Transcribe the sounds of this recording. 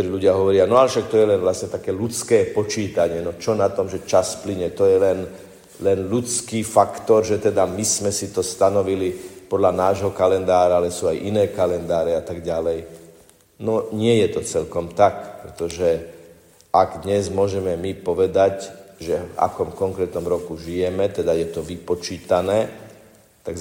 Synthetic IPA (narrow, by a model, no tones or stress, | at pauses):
ɔɾiːʎuɟɪaɦɔʋɔɾɪanɔalʃak̚t̪ɔjɛlɛnʋlasɲɛt̪akɛːlut͡skɛːpɔt͡ʃiːt̪aɲɪɛnɔt͡ʃɔnat̪ɔmʒɛt͡ʃaspliɲɛt̪ɔjɛlɛn | lɛnlut͡skiːfakt̪ɔɾʒɛt̪ɛd̪amismɛsit̪ɔst̪anɔʋilipɔd̪lanaːʒɦɔkalɛnd̪aːɾaalɛsuːajʔinɛːkalɛnd̪aːɾɛat̪aɡɟalɛj | nɔɲɪɛjɛt̪ɔt͡sɛʎkɔmt̪akpɾɛt̪ɔʒɛ | aɡd̪ɲɛzmʊɔʒɛmɛmipɔʋɛd̪acʒɛva̰kɔmkɔŋkɾɛːt̪nɔmɾɔkuʒijɛmɛt̪ɛd̪ajɛt̪ɔʋipɔt͡ʃiːt̪anɛː | t̪aɡ